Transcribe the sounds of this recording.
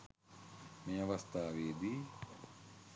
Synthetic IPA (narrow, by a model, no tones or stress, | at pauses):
meːaʋast̪aːʋeːd̪i